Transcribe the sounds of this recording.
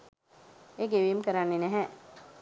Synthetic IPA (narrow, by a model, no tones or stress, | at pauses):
eːɡeʋimkəɾanːenɛɦɛ